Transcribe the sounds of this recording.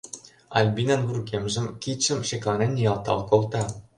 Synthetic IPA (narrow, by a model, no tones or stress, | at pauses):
ɑ̰lʲbʲinɑnɣurkemʒɘ̆mkʲit͡ɕɘ̆mʃeklˠɑnʲenʲijɑlˠt̪ɑ̰lˠkolˠt̪ɑ